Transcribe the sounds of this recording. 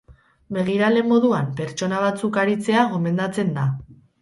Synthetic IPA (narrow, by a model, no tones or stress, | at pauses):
be̞ɣ̞iɾale̞mo̞ðuampe̞ɾt͡ʃo̞naβ̞at͡sukaɾit͡se̞aɣo̞me̞nd̪at͡se̞nd̪a